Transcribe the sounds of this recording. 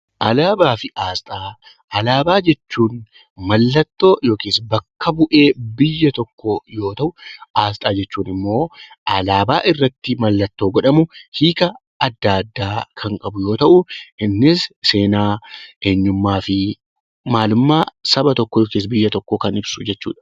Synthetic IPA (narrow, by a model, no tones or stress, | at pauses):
ʔɐlaːbaːfɪʔaːst̪ʼaː | ʔɐlaːbaːd͡ʒɛt͡ʃːuːn | mɐlːɐt̪ːo̞ːjo̞ːkiːsbɐkːɐbʊʔe̞ːbɪjːɐt̪ɔkːojo̞ːt̪ɐʔʊaːst̪ʼaːd͡ʒɛt͡ʃːuːnɪmːo̞ː | ɐlaːbaːʔɪrːɐt̪ːɪmɐlːɐt̪ːo̞ːɡɐᶑɐmʊhiːkɐː | d̪ːaːd̪ːaːkʰɐŋkʼɐbʊjoːt̪ɐʔʊɪnːɪsse̞ːnaːʔeːɲːʊmːaːfɪ | maːlʊmːaːsɐbɐt̪ɔkːɔjoːkeːs̬bɪjːɐt̪ɔkːoːkɐnɪbsʊd͡ʒɛt͡ʃːṵːᶑɐ̥